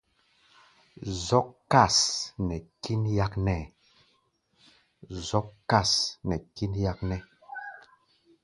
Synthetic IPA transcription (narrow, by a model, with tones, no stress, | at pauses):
zɔ˦kka˦˨snɛ˨ki˦nja˦knɛ˦˨ | zɔ˦kkːa˦˨snɛ˨ki˦nja˦knɛ˦